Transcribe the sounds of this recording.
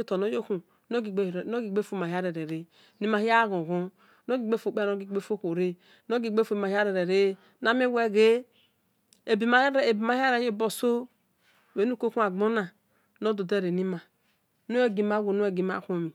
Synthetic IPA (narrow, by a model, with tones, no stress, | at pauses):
o˦to˨no˦jo˦ku˨ | no˦ɡi˨˦˨no˦ɡi˨ɡ͡be˦fo˦˨ma˨ɦi˦a˦ɾe˨ɾe˨ɾe˦ | ni˦ma˨˦hi˦a˦ɣo˨ɣu˦ | no˦ɡi˨ɡ͡be˦fo˨k͡pno˦i˨ɡ͡be˦fo˦ko˨ɾe˦ | no˦ɡi˨ɡ͡be˦fo˨ma˨hi˦a˦ɾe˨ɾe˨ɾe˦ | na˦mi˦we˦ɡe˦ | e˨bi˨m˦˨bi˨ma˨˦ha˦ɾe˦je˦˨bo˨so˦˨ | we˨˦nu˦ko˦ku˦a˨ɡ͡bo˦na˨ | no˦do˨de˦ɾe˨ni˦ma˨ | no˦e˦ɡi˨ma˦ɡu˨nu˦e˨ɡi˨ma̰˦˨ko˦mi˨